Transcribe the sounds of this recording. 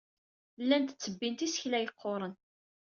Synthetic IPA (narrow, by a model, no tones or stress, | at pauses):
lːænt̪ə̥t͡sːəbːint̪isəçlæjəqʰːoɾˤən